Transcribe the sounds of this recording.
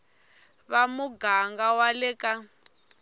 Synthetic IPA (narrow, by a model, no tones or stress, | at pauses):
βamuɡaŋɡawalɛka